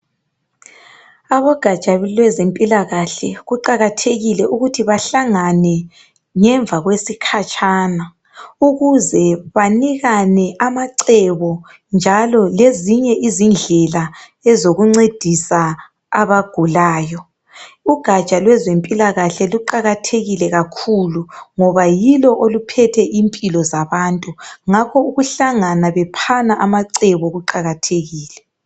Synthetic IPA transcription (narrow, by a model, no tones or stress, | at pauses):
aβɔɡ̥ʱḁt͡ʃʼalwɛzempʼilaɣaɬɛɣuǃaɣatʰeɣilɛʔuɣutʰiβaɬaŋanɛ | ŋɛɱvʱaɣwesikʰat͡ʃʼaːna | uɣuzɛβaniɣanɛʔamaǀɛβɔ | nd͡ʒʱalɔleziɲɛʔizind͡ɮʱɛla | ɛzoɣuŋ͡ǀed̥ʱisaː | βaɡ̥ʱulaːjɔ | uɡ̥ʱḁt͡ʃʼalwɛzempʼilaɣaɬɛluǃaɣatʰeɣilɛɣakʰuluŋɔβajilɔʔolupʰɛtʰɛʔimpʼilɔzaβaːntʼuŋakʰɔuɣuɬaŋanaβɛpʰanaʔamaǀɛβɔɣuǃaɣatʰeɣiːlɛ